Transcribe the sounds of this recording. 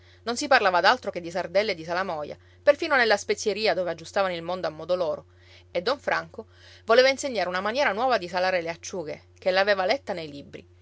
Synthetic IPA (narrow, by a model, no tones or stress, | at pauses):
nonsiparlaːvad̪alt̪ɾoked̪ːisard̪ɛlːed̪ːis̬alamɔja̰ | perfiːnonelːaspet̪sjeɾiːad̪oːvead͡ʒːust̪aːvanoilmond̪oamːɔd̪oloːɾo | ed̪ːɔɱfɾaŋko | voleːvainseɲːaːɾeunamanjɛːɾanwɔːvad̪isalaːɾeleat͡ʃːuːɡḛ | k̟elːaveːvalɛt̪ːanejlibɾḭ